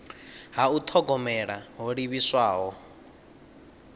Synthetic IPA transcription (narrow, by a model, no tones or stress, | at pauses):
ɦaut̪ʰɔɡɔmɛɺaɦɔɺiβiswaːɦɔ